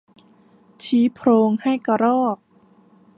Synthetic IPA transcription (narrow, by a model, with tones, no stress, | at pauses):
t͡ɕʰiː˨˦˥pʰɾoː˧ŋha˥˩jka˧˩ɾɔː˥˩k̚